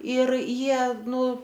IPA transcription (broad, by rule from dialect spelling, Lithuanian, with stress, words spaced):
ɪr ˈjiɛ ˈnʊ